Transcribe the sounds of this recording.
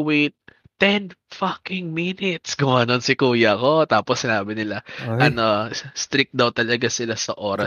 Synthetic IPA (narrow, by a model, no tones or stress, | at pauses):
wejt̪̚ː | ɛnfakɪŋminɪt̪̚sɡʊmanonsɪkuːjɐɐko̞t̪aːposːɪnaːbɪnɪlaʔɐno̞st̪ɾik̚d̪ɐwt̪ɐlɐɡasɪlasɐʔo̞ːɾɐ